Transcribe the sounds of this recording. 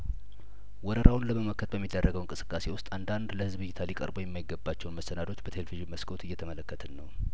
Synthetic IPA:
wɔɾəɾawʊnləməmokʰːət̪̚bəmːid̪ːərːəɡəwɨŋkʼɨsɨ̥kʼːase̞wʊst̪ʼand̪and̪ləhɨzbɨjːɪt̪ʰalikʼə̰ɾbo̞jɛmːajɪɡːəbːat͡ʃːɛwunməsənad̪o̞t͡ʃːbət̪ʰeleviʒiməskʰo̞t̪ɨjːɛt̪ʰəmələkːət̪ʰənːəw

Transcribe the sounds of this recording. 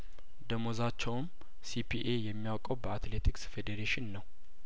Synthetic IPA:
d̪əmozat͡ʃːɛwn | sipʰiʔe̞jɛmːijawkʼəwbəat̪let̪ʰiksfed̪eɾeʃɪnːəw

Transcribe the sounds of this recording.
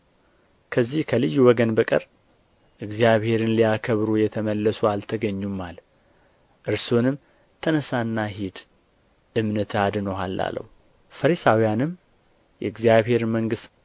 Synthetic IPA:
kʰəzːihkʰəlɨjːuwɔɡənbəkʼə̰ɾ | ʔɨɡzijaβhe̞ɾɨnliakʰəβɾujɛt̪ʰəməlːəsualt̪ʰəɡəɲːumal | ʔɨɾsonɨm | t̪ʰənəsanːaɦid̪ | ʔɨmnət̪ʰad̪nəwɦa̰lːa̰lːə̰h | fəɾisawijanɨm | jɛ̰ɨɡzijaβhe̞ɾməŋɡɨst̪

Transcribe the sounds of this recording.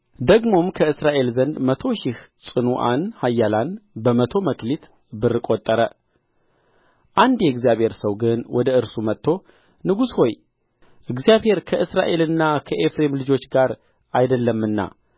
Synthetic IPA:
d̪əɡmo̞mkʰəɨsɾaʔe̞lzənd̪mət̪ʰo̞ʃɪhsʼɨnuʔa̰nhajːalanbəmət̪ʰo̞məklit̪ | bɨrːɨkʼo̞t̪ʼːəɾə | ʔand̪jɛɨɡzjaβhe̞ɾsəwɡɨnwɔd̪əɨɾsumət̪ʰːo̞ | nɨɡusho̞j | ʔɨɡzijaβhe̞ɾkʰəʔɨsɾa̰ʔe̞lɨnːakʰəʔe̞fɾe̞mlɨd͡ʒo̞t͡ʃːɡaɾ | ʔajd̪əlːəmːɨnːa̰

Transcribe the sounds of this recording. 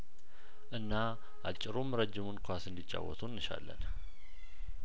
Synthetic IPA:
ʔɨnːa | ʔat͡ʃʼːɪɾumɾəd͡ʒːɪmunkʰʷasɨnd̪it͡ʃʼːa̰wːɔ̰t̪ʰunːɨʃa̰lːə̰n

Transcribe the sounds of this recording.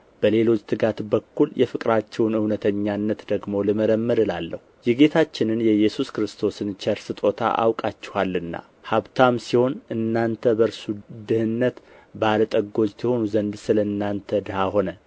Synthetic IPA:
b̥əle̞lo̞t͡ʃʼːt̪ʰɨɡat̪bəkːuljɛfɨkʼɾat͡ʃːɛwnɨwnət̪ʰəɲːanːət̪d̪əɡmo̞lɨməɾəmːəd̪ɨlalːə̰hujɪɡe̞t̪ʰat͡ʃːɪnɨnjɛjɛsuskɾɨst̪ʰo̞sɨnt͡ʃʰɛɾsɨt̪ʼo̞t̪ʰa̰ʔa̰wkʼat͡ʃːɪ̥halːɨnːa̰ | haβt̪ʰamsiho̞nɨnːant̪ʰəbəɾsud̪ɨhɨnːət̪ | balət̪ʼəɡːo̞d͡ʒt̪ʰiho̞nuzənd̪sɨləɨnːant̪ʰəd̪ɨhaho̞nə

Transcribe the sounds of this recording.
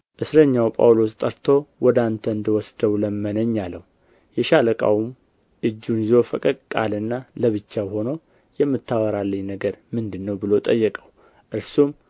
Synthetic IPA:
ʔɨsɾəɲːawpʼa̰wlo̞st̪ʼəɾt̪ʰo̞wɔd̪ant̪ʰəɨnd̪əwɔsd̪əwləmːənəɲːalːəw | jɛʃaləkʼa̰wm | ʔɨd͡ʒːunjɪzo̞fəkʼəd̪kʼalɨnːaləβɨt͡ʃːaho̞no̞ | jɛmːɨt̪ʰːawəɾalːəɲnəɡəɾmɨnd̪ɨnːəwbɨlo̞t̪ʼəjːɛkʼəw | ʔɨɾsum

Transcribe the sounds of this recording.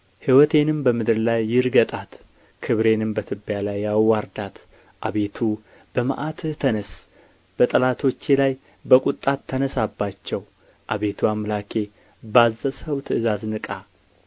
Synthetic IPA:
hiwɔt̪ʰe̞nɨmbəmɨd̪ɨɾlajːɪɾɡət̪ʼat̪ | kʰɨβɾe̞nɨmbət̪ʰɨbːjalajːawaɾd̪at̪ | ʔaβe̞t̪ʰu | b̥əmaʔat̪t̪ʰənəs | b̥ət̪ʼəlat̪ʰo̞t͡ʃːelaj | bəkʼut̪ʼːat̪ʰːənəsabːat͡ʃːɛw | ʔaβe̞t̪ʰuamlakʰe̞ | bazːəsəwt̪ʰɨʔɨzaznɨkʼa

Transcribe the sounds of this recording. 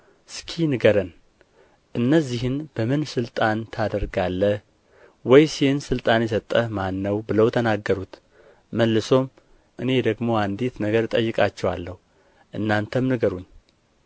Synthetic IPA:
skʰinɨɡəɾən | ʔɨnːəzːiɦɨnbəmɨnsɨlt̪ʼant̪ʰad̪əɾɡalːə | wɔjsiɨnsɨlt̪ʼanjɛs̬ət̪ʼːəmanːəwbɨləwt̪ʰənaɡːəɾut̪ | məlːɨso̞m | ʔɨne̞d̪əɡmo̞and̪et̪nəɡəɾɨt̪ʼəjːɨkʼat͡ʃːɛwalːəhu | ʔɨnːant̪ʰəmnɨɡəɾuɲː

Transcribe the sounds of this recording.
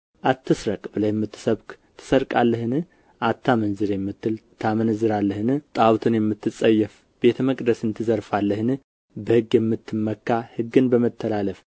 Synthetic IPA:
ʔat̪ːɨsɾəkʼbɨlajɛmːɨt̪ʰːɨ̥səβk | t̪ʰːɨ̥səɾkʼalːəhɨnɨ | ʔat̪ʰːamənzɨɾjɛmːɨt̪ːɨlt̪ʰamənzɨɾalːəhɨnɨt̪ʼawt̪ʰɨnjɛmːɨt̪ːɨt͡sʼːəjːɛf | be̞t̪ʰəməkʼd̪əsɨnt̪ʰɨzəɾfalːəhɨnɨ | bəhɨɡjɛmːɨt̪ʰːɨmːəkːahɨɡːɨnbəmət̪ʰːəlaləf

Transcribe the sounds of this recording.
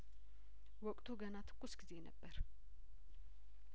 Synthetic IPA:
wɔkʼt̪ʰuɡənat̪ʰɨ̥kʼːusɡize̞nə̰bːəɾ

